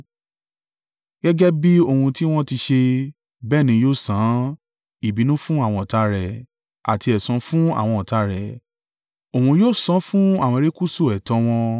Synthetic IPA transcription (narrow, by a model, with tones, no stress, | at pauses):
ɡɛ˦ɡɛ˦bi˦o˧˨ũ˧ti˦w̃ɔ̃˦ti˧ʃe˧ | bɛː˦˨nĩ˧˦joː˦˨sã˨˦ | i˨bi˨˦nũ˦fũ˦a˦˨w̃ɔ̃˧ɔ˨ta˨˧˦ɾɛ˨ | a̰˨ti˧ɛ˨sɔ̃˨˦fũ˦a̰˦˨w̃ɔ̃˧ɔ˨ta˧ɾɛ˨ | o˨hũ˧joː˦˨sɔ̃˨˦fũ˦a˦˨w̃ɔ̃˧ɾe˦ku˦so˦˨ɛ˨tɔ˨˧˦w̃ɔ̃˧